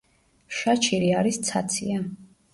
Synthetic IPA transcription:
ʃat͡ʃʰiɾiaɾist̪sʰa̰t̪sʰia

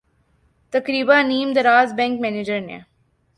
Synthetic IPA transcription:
t̪ɐkɾiːbãnĩːmd̪əɾaːzbɛ̃ːŋkmɛːned͡ʒəɾnḛ

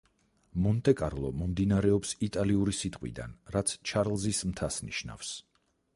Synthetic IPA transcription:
mɔnt̪ʼɛkʼaɾlˠɔmɔmd̪inaɾɛɔpsit̪ʼaliuɾisit̪ʼqʼwḭd̪a̰nɾat̪sʰt͡ʃʰaɾlˠzismt̪ʰasnḭʃna̰fs

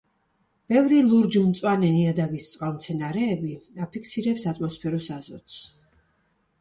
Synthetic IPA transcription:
b̥ɛvɾilˠuɾd͡ʒumt̪sʼwanɛniad̪aɡist̪sʼwʼalˠmt̪sʰɛnaɾɛːbiapʰikʰsiɾɛpsat̪ʼmɔspʰɛɾɔsazɔ̰t̪s

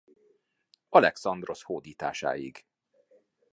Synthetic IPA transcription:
ɒlɛksɒnd̪ro̞shoːd̪iːt̪aːʃa̰ːjḭɡ

